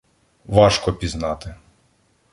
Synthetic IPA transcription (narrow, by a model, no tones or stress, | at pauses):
ʋɑʃkɔpʲiznɑt̪ɪ